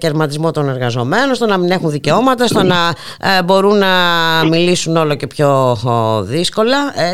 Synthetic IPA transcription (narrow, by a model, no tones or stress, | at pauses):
ceɾmɐt̪izmo̞t̪o̞ne̞ɾɣɐzo̞me̞nonst̪onɐmine̞xunðice̞o̞mɐt̪ɐst̪onɐ | bo̞ɾunːɐmilisuno̞loce̞pço̞ | ðisko̞lɐ